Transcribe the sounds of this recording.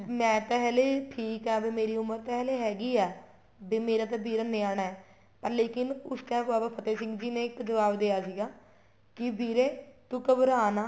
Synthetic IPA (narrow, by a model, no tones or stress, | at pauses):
mɛ̃ːt̪aɦɛːleːʈʰiːkɛːbiːmeːɾiːʊməɾt̪ɛɦɛːleːɦɛːɡiːɛː | beːmeːɾaːt̪̬aːbiːɾaːnẽːaːnaːɛː | pəɾleːkɪnʊst̪ɛ̃ːbaːbaːpʰət̪eːsɪ̃ŋɡd͡ʒiːnẽːkd͡ʒəʋaːbd̪ejaːsiːɡaː | kɪbiːɾeːt̪ʊkəbəɾaːnaː